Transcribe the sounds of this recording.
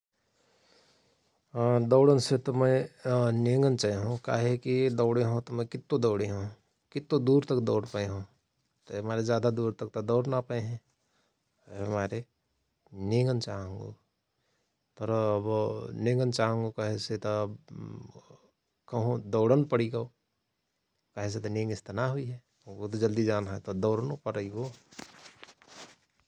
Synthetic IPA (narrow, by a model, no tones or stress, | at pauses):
d̪ɔːɽənset̪omẽneːŋɡənt͡ʃaeɦõka̰ːɦekid̪ɔːɽeɦõt̪omẽkɪt̪ːõd̪ɔːɽeɦõ | kɪt̪ːõd̪uːɾt̪ɐkd̪ɔːɽpaeɦõ | t̪omaːɾed͡ʒjaːd̪ad̪uːɾt̪ɐk̚t̪od̪ɔːɽnapəeɦɛ̃ | ɦɐmaːɾe | neːŋɡənt͡ʃaːɦə̃ŋɡo̰ | t̪ɔɾbnẽːŋɡənt͡ʃaːɦə̃ŋɡokəɦeset̪ob | kəɦõd̪ɔːɽənpəɽiɡao | kəɦes̬et̪onẽːŋɡɪst̪ənaɦʊiɦɛ | ot̪d͡ʒəld̪id͡ʒaːnaɦet̪od̪ɔːɽənopəɾəiɡoː